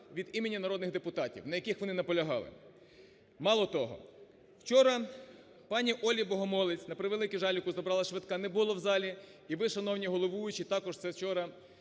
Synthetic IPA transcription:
ʋʲid̪imenʲːɐnɐɾɔd̪nɪɣd̪epʊt̪ɑtʲḭwnɐjɐkixʋɔnɪnɐpɔlʲɐɦɑ̰lˠɪ̰ | mɑlˠɔt̪ɔɦɔ̰ | wt͡ʃɔɾɐ | pɑnʲiʔɔlʲibɔɦɔmɔlˠɪt͡sʲnɐpɾɪʋelˠɪkʲɪʒɑlʲʊkʊzɔbɾɑlˠɐʃʋɪt̪kɑnɛbʊlˠɔwzɑlʲi | iʋɪʃɐnɔwnʲiɦɔlˠɔʋujʊt͡ʃit̪ɑkɔʒt̪sɛwt͡ʃɔɾɐ

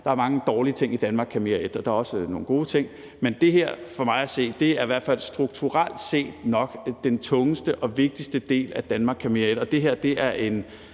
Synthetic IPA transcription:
d̥ɑ̈æɐmɑ̈ŋəd̥ɒːliət͡sʰe̝ŋ̰id̥ænmɑ̈ːɡ̥kʰæmiæed̥ɒ̽d̥ɑ̈æɐɒ̽səno̝ːn̩ɡ̥o̝ːt͡sʰe̝ŋ̰ | mend̥e̝ɦeɐ̰fɒ̽mɑ̈ɪæse̝̰ːd̥e̝æɐiʋæɐ̰d̥fæl̰sd̥ʁuɡ̥t͡sʰuʁal̰d̥se̝̰ːd̥nɒ̽ɡ̥d̥ent͡sʰɔ̽ŋəsd̥əʔɒ̽ʋe̝ɡ̥̚d̥isd̥əd̥e̝̰ːlæd̥ænmɑ̈ːɡ̥kʰæmied̥ɒ̽d̥e̝ɦeɐ̰d̥e̝æɐʔe̝n

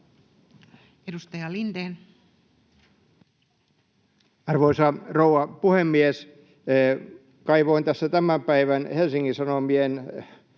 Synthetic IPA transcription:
edust̪ɑjɑlind̪eːn | ɑrʋoisɑrouɑpuhemːies | kɑiʋoint̪æsːæt̪æmæmpæiʋænhelsiŋkisɑnomien

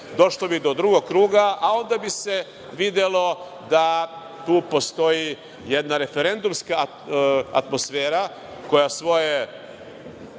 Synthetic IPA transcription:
d̪o̞ʃlobid̪o̞d̪ɾuɡoɡkːɾuːɡaao̞nd̪abise̞ | ʋid̪elo̞ | d̪a | t̪uːpo̞st̪o̞ji | je̞d̪naɾe̞fe̞ɾe̞nd̪umska | a̰t̪mo̞sfeːɾa | ko̞jasʋo̞je

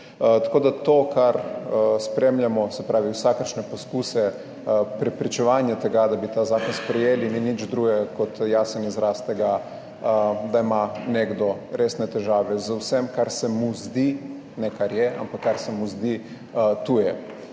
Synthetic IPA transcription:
t̪ḁkoːd̪at̪oːkaɾspɾemljamɔsɛpɾʔaːʋiwsakəɾʃnɛposkuːsɛ | pɾɛpɾit͡ʃɛʋaːnjat̪ɛɡad̪abit̪azaːkɔnspɾɛjeːlininid͡ʒd̪ɾuːɡɛɡakɔt̪jaːsənizɾaːst̪ɛɡa | d̪aimaneɡd̪ɔɾeːsnɛt̪ɛʒaːʋɛzawsɛmkaɾsɛmuzd̪i | nɛkaɾjɛʔa̰mpakːaɾsɛmuzd̪i | t̪ujɛ

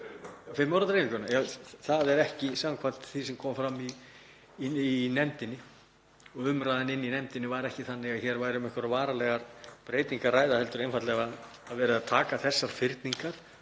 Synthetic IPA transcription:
fɪmːɔwɾat̪ɾejnɪk̪ɛnajaθaðɛɾɛhcɪsaːwaŋkʰvan̥t̪θisɛmkʰɔːmfɾamːiː | inɛmt̪ɪnːɪ | ɔɣʏmɾajðanɪnːinɛmt̪ɪnːɪvajɾɛhcɪθanːɪɣaçɛɾvaːjɾɪʏmɛhkvaɾavaːɾalɛːɣaɾ̥pɾeːjt̪iŋkaraːjðahɛlt̪ʏɾejnfat̪lɛɣaː | ðvɛːɾɪðaðt̪ʰaːkaθɛsːaɾ̥fɪɾt̪niŋkaɾ̥

